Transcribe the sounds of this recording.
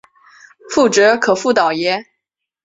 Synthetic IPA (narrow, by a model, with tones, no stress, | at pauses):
fu˥˩ʈ͡ʂɤ˧˥kʰɤ˨˩fu˥˩t̪ɑ˨˩ʊjɛ˧˥